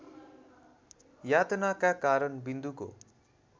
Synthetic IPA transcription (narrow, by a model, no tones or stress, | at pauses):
jat̪nakakaɾʌnbind̪uko̰